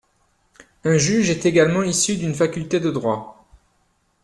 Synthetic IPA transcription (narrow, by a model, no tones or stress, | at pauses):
ɛ̃ʒyʒɛt̪eɡalmɑ̃isyd̪ynfakʲylt̪ed̪əd̪ʁwa